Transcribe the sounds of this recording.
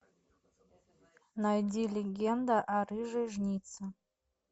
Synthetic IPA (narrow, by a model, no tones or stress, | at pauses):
najdʲilʲeɡʲend̪aʔarɨʐeʐnʲit͡sʰa